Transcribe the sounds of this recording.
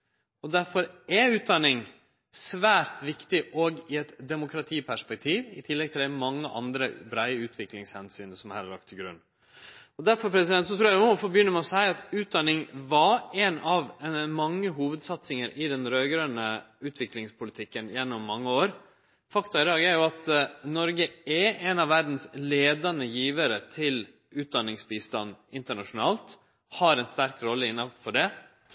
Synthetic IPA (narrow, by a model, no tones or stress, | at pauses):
ɔd̪æɾfɔɾɛʉːt̪̚d̪ɑnɪŋ | sʋæːɾt̪ʋɪkt̪ɪʔɔɡɪɛt̪d̪ɛmʊkɾɑt̪ʰiːpʰæʂpɛk̚t̪ʰiːʋɪ̰t̪ʰɪlːɛɡ̚t̪ʰɪld̪æɪmɑŋːəʔɑ̰nd̪ɾəbɾæɪəʉːt̪ʰʋɪklɪŋshɛnsyːnəsɔmhɑ̰ɾlɑ̰kt̪ʰːɪɡɾʉ̰nː | ɔd̪æɾfɔɾpʰɾɛsɪd̪ɛnt̪sɔt̪ʰɾuːjæɔfɔbjʏnːəɾmɛɔsæɪɑt̪ʉːt̪̚d̪ɑnːɪŋʋɑɾɛnɑʋmɑŋːəɦuːʋəd̪sɑt̪sɪŋəɾʔɪd̪ɛnɾøːɡɾœnəʉːt̪ʰʋɪklɪŋspʰʊlɪt̪ʰɪkːənjɛnːɔmːɑŋːəoːɾ | fɑkt̪ɑɪd̪ɑːɡæɾjʊɑt̪nɔɾɡəɛɛnɑʋːæɾd̪n̩sleːd̪ɑnəjiːʋəɾət̪ʰɪl | ʉːt̪̚d̪ɑnːɪŋsbiːst̪ɑ̰nːɪnt̪əɳɑʂʊnɑ̰ːlt̪ | hɑɾɛnst̪æɾkɾɔlːəɪnːɑfɔɖɛ